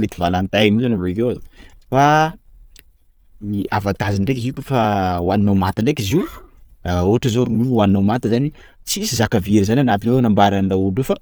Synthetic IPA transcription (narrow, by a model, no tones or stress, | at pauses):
let̪ivalant̪ajnizanarid̪ozofa | iavat̪aziɳɖ͡ʐekɦikʲufawaninawmat̪iɳɖ͡ʐekʲizi | oɦaʈ͡ʂazoɾunuwaninawmat̪izani | t͡siisizakaviɾizananapionambaɾand̪auɖ͡ʐufa